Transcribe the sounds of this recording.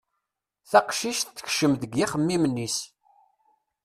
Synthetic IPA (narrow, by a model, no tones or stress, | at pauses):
θæqʃiʃθːə̥çʃəmðəɡiχəmːimənːis